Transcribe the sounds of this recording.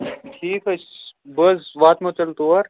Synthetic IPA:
ʈʰiːkɐsbɐsʋaːt̪mɐt͡ʃɐlt̪uɐɾ

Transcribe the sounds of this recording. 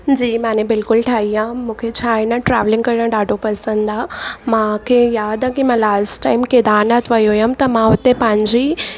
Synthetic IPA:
d͡ʑiːmãːnẽbɪlkʊlʈʰaːɦiãːmũːkʰet͡ɕʰaːɪnãʈɾɛːʋlɪ̃ŋɡkɐɾiɽə̃ɖaːɖʱopɐsə̃nd̪aːmãkʰejaːd̪ãkimãlaːsʈaːɪmkeːd̪aːnat̪ʰʋɐjɦojəmt̪ɐmãɦʊt̪epɐ̃ɦɪ̃ɲd͡ʑi

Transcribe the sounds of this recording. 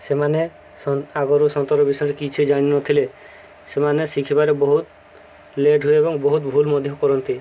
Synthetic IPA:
semane | sɔaɡɔɾusɔnt̪ɔɾɔbisɔjɔ̃ɾekit͡ʃʰid͡ʒaɽ̃inɔt̪ʰile | semanesikʰibaɾebɔɦut̪ | leɖɦueebɔŋbɔɦut̪bʱulmɔd̪ʱjɔkɔɾɔnt̪i

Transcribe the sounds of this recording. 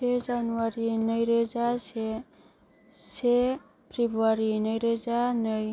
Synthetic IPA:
sʰed͡zanuwaɾinʌjɾed͡zase | se | pribwaɾinʌjɾed͡zanʌj

